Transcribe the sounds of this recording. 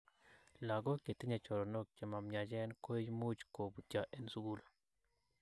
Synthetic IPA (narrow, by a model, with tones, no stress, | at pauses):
la˨ɡɔ˦ke˨t̪ɪ˦ɲa˨t͡ʃɔ˨ɾɔ˨no˦k̚t͡ʃe˨ma˨mɲa˨d͡ʒɛ˦nko˦i˦d͡ʒmu˦d͡ʒko˨bu˨t͡ʃa˨ʔe˦nsu˦ɡu˦la˨